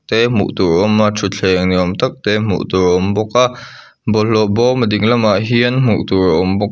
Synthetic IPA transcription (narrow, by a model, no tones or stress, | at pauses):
t̪ɛm̥ṵʔt̪urʔɔmatʰut͡ɬʰɛːŋniɔmt̪ɐk̚t̪ɛm̥ṵʔt̪uɾʔɔmbɔk̚aʔ | bɔlɔʔbɔmədɪŋlɐmaʔɦiənmṵʔt̪uraʔɔmbɔk̚